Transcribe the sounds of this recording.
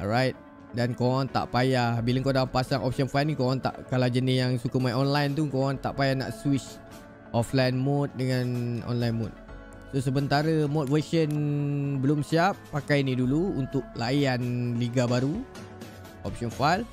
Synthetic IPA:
ɔ̰ɾajt̪̚ | dankowaŋt̪a̰ʔpajahbiləŋkadaampasaŋʔɔp̚sɔnfajlnikoaŋt̪a̰ʔkalad͡ʒənɪsjaŋsukəmajʔɔnlajnt̪ukoɣaŋt̪a̰ʔpajahna̰ʔswit͡ʃ | ʔɔflajnmɔt̪̚dəŋãnɔ̰nlajnmɔt̪̚ | sosəmənt̪aɾəmɔt̪̚vəʃənbəlʊmsiapːakajniduluunt̪ʊk̚lajanliɡabaɾu | ʔɔ̰p̚sɔnfajl

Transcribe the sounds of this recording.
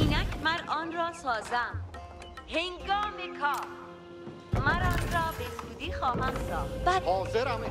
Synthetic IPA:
iːnækʰmæɾɒːnɾɒːsɒːzæm | heŋɡɒːmekʰɒː | mæɾɒːnɾɒːbezuːd̪iːxɒːɦæmsɒːb̥æhɒːzeɾæm

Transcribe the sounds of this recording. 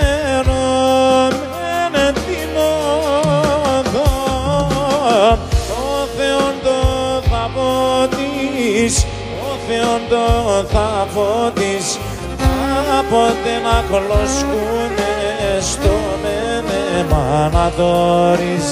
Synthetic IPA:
nom | enet̪ino | ðo | noθeond̪oθɐpot̪is | oθeond̪oθavot̪is | θapond̪enɐkoloskumest̪o | menemanaðoɾis

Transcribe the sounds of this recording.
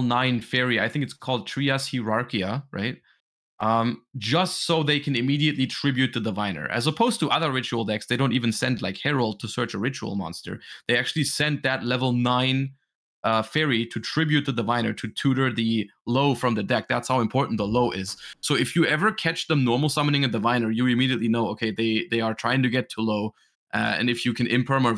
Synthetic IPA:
lˠnãɪ̃nfɛɹiaɪθɪ̃ŋkɨtskʰɔlˠd̚tʰɹ̥iəshiɹɑɹkiəɹa̰ɪt̚ | ʔʌ̃m̥d͡ʒʌstsoʊðeɪkʰɨ̃nɨmiɾiɨtˡlitʰɹ̥ɪbjʉt̪̚ðɨðəvãɪ̃nə̰˞ʔɨ̰zəpʰoʊz̥tʰəʔʌðə˞ɹɪt͡ʃul̩ˠdɛksðeɪɾõʊ̃ntivɨ̃n̩sɛ̃ndlaɪkhɛɹolˠd̚tʰɨsɜ˞t͡ʃəɹɪt͡ʃṵl̩ˠmɑ̰̃nstə̰˞ðeɪæk̚t͡ʃʉl̩ˠisɛ̃n̚ðɨtˡlɛvl̩ˠnãɪ̃n | ʔʌfɛɹiɾʰɨtʰɹ̥ɪbjʉt̪̚ðɨdəvãɪ̃nə˞ɾʰɨtʰʉɾə˞ðɨloʊfɹʌ̃mðɨdɛk̚ðætshaʊɨ̃mpʰɔɹʔn̩ðəloʊʔɪz̥soʊɨfjɨɛvə˞kʰæt͡ʃðə̃mnɔɹml̩ˠsʌmənɪ̃ŋɨdɨvãɪ̃nə˞jɨɨmiɾiɨtˡlinoʊoʊkʰeɪðeɪðeɪə˞tʰɹ̥aɪɪ̃ŋtʰɨɡɛtʰəloʊ | ʔʌɨ̰̃nɨfjɨkʰɨ̃nɪ̰̃mpʰə˞mə˞

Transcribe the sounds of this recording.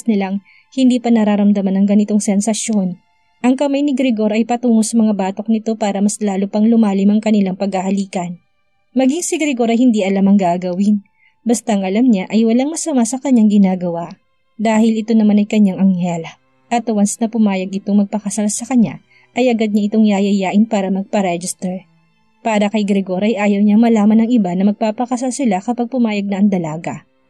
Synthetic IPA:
nɪlaŋ | hɪnd̪iːpɐnɐɾaɾɐmd̪ɐmanɐŋɡɐnɪt̪o̞ŋsɛnsɐʃjo̞n | ʔɐŋkɐmajnɪɡɾɪɡo̞ɾɐjpɐt̪uːmosɐmɐŋabaːt̪o̞k̚nɪt̪o̞paːɾɐmɐslaːlupɐŋlʊmaːlɪmɐŋkɐnɪlaŋpɐɡhɐhɐliːkɐn | mɐɡiŋsɪɡɾɪɡo̞ɾɐjhɪnd̪iʔɐlamɐŋɡaɡɐwɪn | bɐst̪aɐŋɐlamɲaʔɐjwɐlaŋmɐsɐmasɐkɐɲːaŋɡɪnaːɡɐwaʔ | d̪aːhɪlɪt̪o̞nɐmanɐjkɐɲaŋʔɐŋhɛl | ʔɐt̪wansnɐpʊmaːjɐɡɪt̪o̞ŋmɐɡ̚pɐkɐsalsɐkɐɲa̰ | ʔɐjʔɐɡɐd̪̚ɲaʔɪt̪o̞ŋjaːjɐjaːʔɪnpaːɾɐmɐɡ̚pɐɾɛd͡ʒɪst̪ɛɹ | paːɾɐkɐjɡɾɛɡo̞ɾʔɐjʔaːjɐwɲɐŋmɐlaːmɐnɐŋʔɪbanɐmɐɡ̚paːpɐkɐsalsɪlakɐpaɡ̚pʊmaːjɐɡ̚nɐɐŋd̪ɐlaːɡɐ̰ʔ

